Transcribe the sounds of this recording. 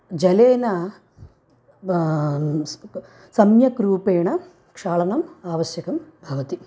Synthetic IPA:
d͡ʒɐleːnɐ | sɐmjɐkɾuːpeːɳɐ | kʂaːɭɐnɐmaːʋɐɕjɐkɐmbʱɐʋɐt̪i

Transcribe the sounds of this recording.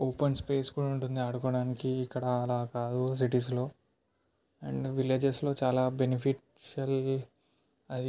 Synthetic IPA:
oːpɐnspe̞ːskuːɽauɳʈund̪iɐɽukɔːɽaːnikiːkːɐɽɐɐlaːkaːd̪us̬iʈis̬lo̞ː | ɐɳɖʋileːd͡ʒeslo̞ːt͡ʃaːlaːbenipʰiʈ | ʃɐl | ɐd̪i

